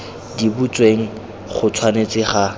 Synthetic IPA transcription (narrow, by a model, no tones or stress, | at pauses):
dibut͡sʼweŋ̩ | χʊt͡sʰwanet͡sɪχa